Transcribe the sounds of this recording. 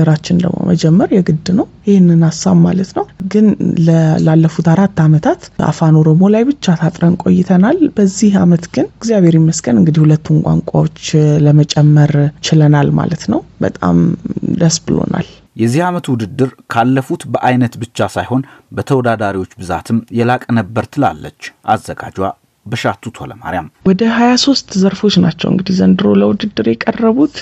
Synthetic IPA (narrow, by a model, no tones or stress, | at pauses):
əɾat͡ʃːɪnd̪ə̰ɡmo̰mə̰d͡ʒɛmːəɾjɛɡɨd̪ːnəwjɪhɪnːɨnasːawmalət̪nəwɡɨnləlalːəfut̪aɾat̪ːamət̪ʰat̪ʔa̰fano̞ɾo̞mo̞lajbɨt͡ʃːat̪ʰat̪ʼɾənkʼo̞̰jːɪt̪ʰənalbəzːihamət̪ɡɨnɡzjaβeɾiməsɡənɨŋɡɨd̪ihulət̪ːunkʷʼa̰ŋkʷʼawo̞t͡ʃːləmət͡ʃʼɛmːəɾt͡ʃɪlənalma̰lət̪nəwbə̰t̪ʼa̰md̪əsbɨlo̰nʔa̰l | jɛzːihamət̪wʊd̪ɨd̪ːɨɾkʰalːəfut̪bəʔajnət̪bɨt͡ʃːasajho̞nbət̪ʰəwɔd̪ad̪aɾiwo̞t͡ʃːbɨza̰t̪ʰɨmjɛlakʼnəbːəɾt̪ʰɨla̰lːə̰t͡ʃːʔazːəɡa̰d͡ʒwa | bəʃat̪ʰːut̪ʰoləma̰ɾjamwɔd̪əɦajaso̞st̪zəɾfo̞t͡ʃːnat͡ʃːɛ̰wɨ̰ŋɡɨd̪izənd̪ɨɾo̞ləwud̪ɨd̪ːɨɾjɛkʼərːəβut̪